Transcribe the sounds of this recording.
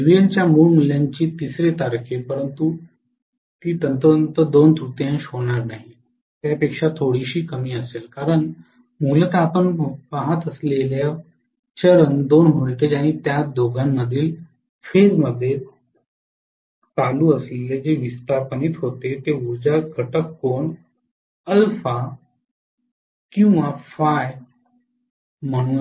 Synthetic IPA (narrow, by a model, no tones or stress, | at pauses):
ʋijaɲt͡ɕjamuɭmuljaɲt͡ɕiːt̪isɾet̪aɾkʰepəɾənt̪u | t̪iːt̪ənt̪ənt̪əd̪ont̪ʰut̪jãɕoɳ̃aɾnaɦi | t̪japekʂat̪ʰoɽiɕiːkəmiːəselkaɾəɳ | mulət̪aapəɳpaɦət̪əslelja | t͡ɕəɾənd̪onɦuɭʈed͡ʑaɽ̃it̪jad̪oɡamːəd̪ʱːiːl | feɾməd̪ʱːje | t͡saluːəsleled͡ʑeʋist̪aɾpəniːt̪ɦot̪et̪euɾd͡ʑaɡʱəʈəkːoɳ | əlfa | kĩw̃ʋafaj | m̤əɽ̃ũː